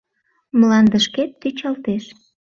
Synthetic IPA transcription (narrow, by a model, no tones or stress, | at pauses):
mlɑnd̪əʃket̪ːyt͡ɕɑlt̪eʃ